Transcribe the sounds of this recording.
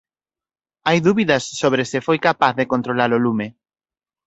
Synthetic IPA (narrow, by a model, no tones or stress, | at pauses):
ajðuβiðɐsːoβɾesɪfojkapaθðekont̪ɾolaɾolume